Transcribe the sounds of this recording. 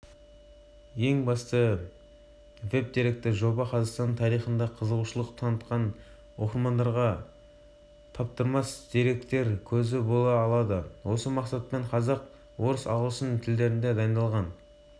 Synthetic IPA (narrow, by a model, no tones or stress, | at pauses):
je̞ŋbɑst̪ə | ve̞p̚d̪e̞ɾe̞k̚t̪ɪʒo̞bɑqʰɑzɑqst̪ɑnt̪ʰɑɾijχənd̪ɑqʰəzəlˠuʃəlˠəqt̪ʰɑnət̪qɑn | wo̞qəɾmɑnd̪ɑɾʁɑ | t̪ʰɑp̚t̪əɾmɑsd̪̥e̞ɾe̞k̚t̪e̞ɾkʲʰɵzɪbolˠɑːlˠɑd̪əwʔo̞səmɑqsɑt̪̚peɴqʰɑzɑq | wo̞ɾəsɑ̰wlˠsənt̪ʰɪld̪e̞ɾɪnd̪e̞d̪ɑjnd̪ɑlˠʁɑn